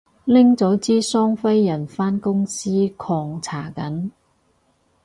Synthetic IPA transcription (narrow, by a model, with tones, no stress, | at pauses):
lɪ˥ŋt͡sɔː˨˥wt͡siː˥sɔː˥ŋfɐ˥jːɐ˨˩nfaː˥nkʊ˥ŋsiː˥kʰɔː˧ŋt͡sʰaː˨˩kɐ˨˥n